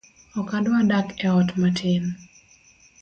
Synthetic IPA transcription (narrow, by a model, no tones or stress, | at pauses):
ɔkadwadakɛɔtmatʰɪn